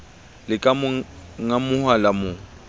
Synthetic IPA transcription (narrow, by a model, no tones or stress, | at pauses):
lɪkʼamŋamʊhwalamʊ